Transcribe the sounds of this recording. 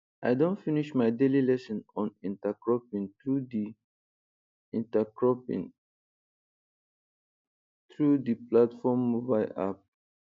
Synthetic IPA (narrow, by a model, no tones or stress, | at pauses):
ʔajdõntfiniʃmajdelilɛsə̃nɔ̃nĩntakɹɔpĩnt̪ɹudi | ĩntakɹɔpḭ̃n | t̪ʰɹud̪iplatfɔmːubaɪla̰p̚